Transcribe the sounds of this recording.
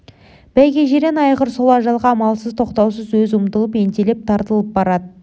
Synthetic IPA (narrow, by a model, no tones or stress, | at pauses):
b̥æjɡʲeʒeɾenɑjqəɾso̞lˠɑʒɑlˠʁɑmɑlˠsəzt̪ʰo̞qt̪ɑws̬əzwɵzʊmt̪əlˠəpe̞nt̪elep̚t̪ʰɑɾt̪əlˠəp̚bɑɾɑd̪ə